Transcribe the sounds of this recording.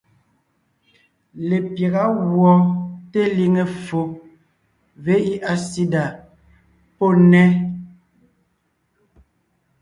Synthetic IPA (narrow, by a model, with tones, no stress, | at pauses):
le˨pje˨ɣa˦ɣwɔ˦te˦li˦ŋe˨fo˨ | ve˦i˦ʔa˨si˦da˨ | po˦˨nɛ˦